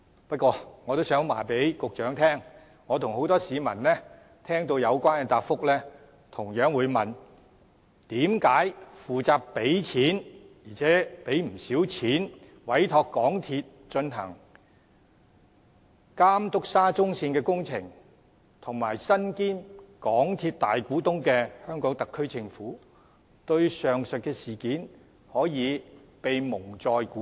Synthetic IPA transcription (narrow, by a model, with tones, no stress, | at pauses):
pɐ˥t̚kʷɔː˧ŋɔː˨˧t̪o˥wsœː˨˥ŋma̰ː˨˩pe˨˥jkʊ˨k̚t͡ʃœː˨˥ŋt̪ʰɛː˥ŋ | ŋɔː˨˧t̪ʰʊ˨˩ŋho˨˥wt̪ɔː˥siː˨˧mɐ˨˩nlɛː˥ | t̪ʰɛː˥ŋt̪o˧wjɐ˨˧wkʷaː˥nkɛ˧t̪aː˧p̚fʊ˥k̚lɛː˥ | t̪ʰʊ˨˩ŋjœː˨˥ŋwuː˨˧jmɐ˨n | t̪iː˨˥mkaː˨˥jfuː˨t͡saː˧ppːe˨˥jt͡sʰiː˨˥njiː˨˩t͡sʰɛː˨˦˥pe˨˥jm̩˨˩siː˨˥wt͡sʰiː˨˥n | wɐ˨˥jt̪ʰɔː˧kːɔː˨˥ŋt̪ʰiː˧t̚ | t͡ʃɵ˧nɦɐ˨˩ŋ | kaː˥mt̪ʊ˥k̚saː˥t͡sʊ˥ŋsiː˧nkɛː˧kʊ˥ŋt͡sʰɪ˨˩ŋ | t̪ʰʊ˨˩ŋmaː˨˩jsɐ˥nkiː˥nkɔː˨˥ŋt̪ʰiː˧t̚t̪aː˨jkuː˨˥t̪ʊ˥ŋkɛː˧hœː˥ŋkɔː˨˥ŋt̪ɐ˨kʰːɵ˥ɥt͡sʰɪ˨˧ŋfuː˨˥ | t̪ɵ˧ɥsœː˨ŋsɵ˨t̚kɛː˧siː˨˩kiː˨˥n | hɔː˨˥jiː˨˧pe˨jmʊ˨˩ŋt͡sɔː˨˧jku˨˦˥